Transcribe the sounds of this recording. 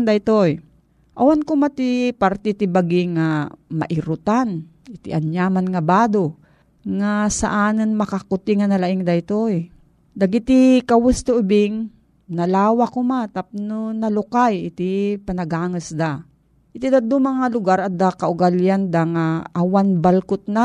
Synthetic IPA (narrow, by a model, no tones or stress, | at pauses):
ŋd̪ajt̪oj | ʔawankʊmat̪ipaɾt̪ɛt̪ɪbaɡɪŋamɐ̰ʔɪɾʊt̪an | ɪt̪ɪʔɐɲjaːmanŋabaːd̪o | ŋasɐ̰ʔanɨnmɐkakʊt̪ɪŋanɐlaʔɪŋd̪ajt̪oj | d̪ɐɡɪt̪ɪkɐwʊst̪oʔʊbɪŋ | nɐlaːwakomat̪ap̚nonɐlʊkajɪt̪ɪpɐnɐɡaːŋɨsd̪a | ʔɪt̪id̪ad̪ʊmɐŋalʊɡaɾɐd̪akaʔʊɡaljand̪aŋaʔawanbalkʊt̪̚na